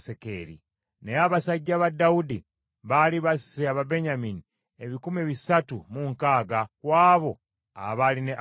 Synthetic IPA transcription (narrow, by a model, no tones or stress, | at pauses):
sekeɾḭ | neaβasaɟːaβadːaudi | βaliβaseaβabe̞ɲamini | e̞βikumeβisatumuŋkaːɡakwaːβo̞ | a̰βaline